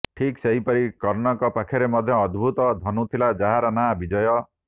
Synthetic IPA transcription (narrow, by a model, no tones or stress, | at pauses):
ʈʰikseɦipɔɾikɔɾnɔŋkɔpakʰɔɾemɔd̪ʱjɔːd̪bʱut̪ɔd̪ʱɔnut̪ʰilad͡ʒaɦaɾɔnabid͡ʒɔjɔ